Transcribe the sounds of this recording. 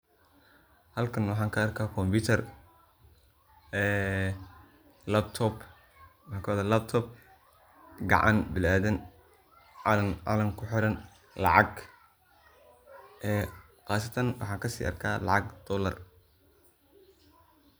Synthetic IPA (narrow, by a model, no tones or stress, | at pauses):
hɐlkʰɐnwɑħɑːŋkʰɐɐrkʰaːkʰɔmbiːt̪ʰɐr | ɛː | lɐbt̪ʰɔb | wɑħɑkʰɐwaːðɐlɐb̚t̪ʰɔb | ɡɑ̰ʕɑ̰nbɪlaːðɐn | ʕɐnʕɑ̰lɐŋkʰʊħɪɾɐn | lɑ̰ʕɑɡ | ʔɛː | qɑːsɐt̪ʰɐnwʔɑ̰ħɑːŋkʰɐsḭːʔɐ̰rkʰaːlɑ̰ʕɑɡd̪̥ɔːlɐ̰r